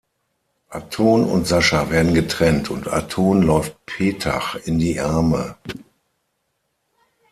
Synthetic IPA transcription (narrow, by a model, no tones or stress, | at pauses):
ʔatʰoːnʊ̰ntz̥aʃaveːɐdn̩ɡətʁ̥ɛntʰʊnta̰tʰoːnlɔʏft̚pʰeːtʰa̰χɪndiːʔaɐmə̰